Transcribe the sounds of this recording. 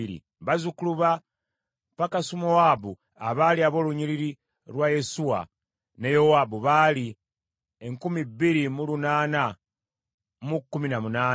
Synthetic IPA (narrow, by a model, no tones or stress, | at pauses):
iɾḭ | βazukuluβa | pakasumowabu | aβaliaβo̞ːluɲiɾiɾi | ɾwaje̞suwa̰ | nejo̞waːbuβali | eŋkumibːiɾimulunaːna | mukːuminamunaː